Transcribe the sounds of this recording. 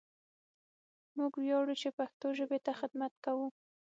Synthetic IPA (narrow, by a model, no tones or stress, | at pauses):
muɡwjɑɽut͡ʃepaxt̪oʒəbet̪axɪd̪mat̪̚kawu